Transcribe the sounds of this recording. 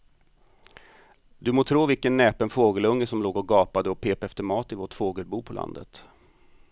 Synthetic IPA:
d̪ɵmoːt̪ʰɾoːvɪlkənːɛːpənfoːɡəlɵŋːəsɔmloːɡɔɡɑːpad̪əɔpʰeːpɛft̪əmɑːt̪ɪvoːʈfoːɡəlbuːpʰɔlʔa̰nd̪ə̰t̪

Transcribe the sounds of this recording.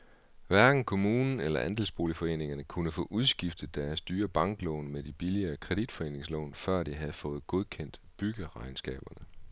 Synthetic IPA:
ʋæɐɡ̥n̩kʰo̝muːnn̩elɐʔænd̥elsb̥o̝ːlifɒ̽e̝̰ːne̝ŋɐnəkʰunəfɔ̰̽ːʔuð̞ˠsɡ̥ifd̥ð̩ˠd̥æɐsd̥yːɐb̥ɑ̈ŋɡ̥lɔ̽ːnmed̥ib̥iliɐːkʰʁɛd̥id̥fɒe̝̰ːne̝ŋslɔ̰̽ːnfɶɐ̰d̥iɦæð̞̩ˠfɔ̽ːð̞̩ˠɡ̥oð̞ˠkʰen̰d̥b̥yɡ̥əʁɑ̈ɪnsɡ̥ɛ̰ːb̥ɐnə

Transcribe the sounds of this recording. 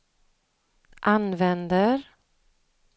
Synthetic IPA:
ʔanvɛnd̪əɾ

